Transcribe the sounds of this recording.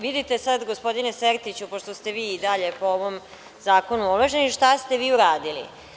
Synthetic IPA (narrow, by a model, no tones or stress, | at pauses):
ʋid̪it̪e̞sad̪ɡospo̞d̪ineseɾt̪it͡ɕupo̞ʃt̪ost̪e̞ʋiːid̪aʎe̞po̞oʋom | zaːko̞nuulˠoʒeniʃt̪ast̪eʋiːuɾaːd̪ilḭ